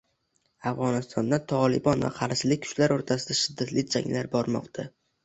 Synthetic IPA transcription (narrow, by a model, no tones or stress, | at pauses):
afʁɒnɪst̪ɒnd̪at̪ʰɒlˠɪbɒnva̰qʰɑɾʃɪlɪk̚ʲkʰʊ̥t͡ʃlaɾoɾt̪ʰasɪd̪aʃɪd̪ːat̪lɪk̚ʲd͡ʒa̰ŋlaɾbɒɾmɒ̰qt̪ʰa